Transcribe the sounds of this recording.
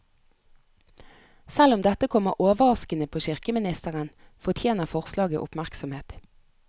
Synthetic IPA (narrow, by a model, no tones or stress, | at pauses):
sɛlʊmd̪ɛt̪əkʰɔməʁʔoːʋəʁɑskənəpʰoːʃɪʁkəmɪnɪst̪əʁənfɔʁt̪ʰjeːnəʁfɔʁslɑːɡə̰ʔʊ̰pmæʁksɔmheːt̪